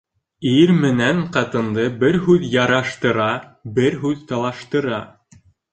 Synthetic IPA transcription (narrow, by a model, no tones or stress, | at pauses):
iɾmɘ̆næɴqɑt̪ɤ̆nd̪ɤbɘɾɦʉðjɑɾɑʃt̪ɤ̆ɾɑbɘɾɦʉðt̪ɑlˠɑʃt̪ɤ̆ɾɑ